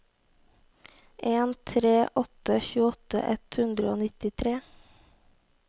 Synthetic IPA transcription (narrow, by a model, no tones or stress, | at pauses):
ʔeːnt̪ʰɾeːʔɔt̪əçʉːɔt̪ə̰ʔɛt̪hʉnd̪ɾəoːnɪt̪ɪt̪ʰɾeː